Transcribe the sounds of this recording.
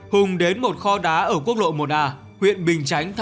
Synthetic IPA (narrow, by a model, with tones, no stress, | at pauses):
hʊ˨˩ŋ͡mɗe˨˦nmo˨˩t̚xɔ˧ɗaː˨˦ʔəː˧˩k̬u˦˥ək̚lo̰˧˨jmo˨˩t̚ʔaː˨˩ | hwḭ˧˨ənɓï˨˩ŋ̟t͡ɕa˨˦jŋ̟t̪ʰ